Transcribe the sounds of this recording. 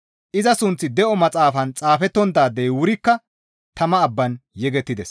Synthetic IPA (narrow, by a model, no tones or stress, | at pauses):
ʔɪzɐsʊnt͡sːɪd̪ɛʔɔmɐt͡sʼaːfɐnt͡sʼaːfɛt̪ːɔnd̪aːd̪ːɛjwʊɾɪkːɐ | t̪ɐmɐːbːɐnjɛɡɛt̪ːɪd̪ɛs